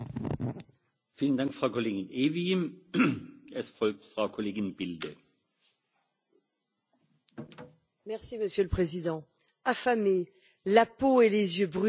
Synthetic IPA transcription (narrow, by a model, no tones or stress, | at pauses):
fiːləndaŋkfʁ̥aʊkʰoleːɡɪnʔeːvi | ʔɛsfɔlk̚tfʁ̥aʊkʰoleːɡɪnb̥ɪldə | mɛʁsiməsjøləpχezid̪ɑ̃ | afame | lapoelezjøbʁ